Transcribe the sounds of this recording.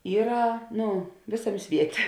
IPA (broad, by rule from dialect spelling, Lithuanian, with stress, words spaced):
ˈiːrɐ ˈnʊ ˈʋʲeːsɐˌmʲeː ˈsʲʋʲiɛtʲeː